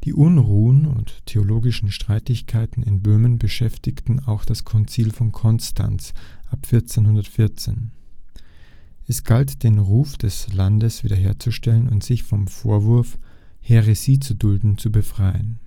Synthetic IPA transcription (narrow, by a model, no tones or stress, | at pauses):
d̥iːʔʊnʁuːənʊ̰ntʰːeoloːɡɪʃn̩ʃtʁ̥aɪtɪçkʰaɪtn̩ɪnbøːmənbəʃɛftɪktn̩aʊxd̥askʰɔnt͡siːlfɔnkʰɔnstʰa̰nsʔapfɪɐt͡seːnɦʊndɐtfɪɐt͡sḛːn | ʔɛsɡ̥altd̥eːnʁuːfd̥ɛslandəsv̥ḭːdɐɦeːɐt͡suʃtɛlənʊntz̥ɪçfɔmfoːɐvʊɐf | heʁesiːt͡sudʊldn̩t͡subəfʁ̥aɪən